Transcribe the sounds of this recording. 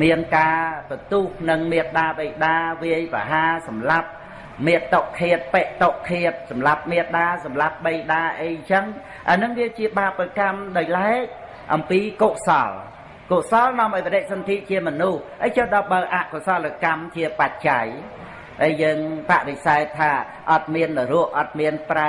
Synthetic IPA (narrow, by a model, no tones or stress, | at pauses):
miənkaːpət̪uːhnɨŋmiət̪̚ɗaːɓəjɗaːʋiəjprɑ̰ɦaːsɑmlap̚ | miət̪ːoʔkʰːiət̪̚pɛʔt̪oʔkʰːiət̪̚sɑmlap̚miət̪̚ɗaːsɑmlap̚ɓejɗaːʔəjt͡ɕəŋ | ha̰ənɨŋʋiəjt͡ɕiəɓaːprakamɗaːj̚laɛk̚ | ʔɑ̰mpiːkoʔsɑ̰l | koʔsɑlnŏəmʔɑɔjpəɗɛʔ̚sɑnt̪ʰiːʔ̪̚t͡ɕiəmɔnuhʔəjt͡ɕəːɗɑɓəəʔaʔkosɑlːəkamt͡ɕiəpac̚t͡ɕaj | ʔəjjəːŋpaʔɾisaɛt̪ʰːaː | ʔɑt̪̚miənːɨrʊəʔʔɑt̪̚miənpra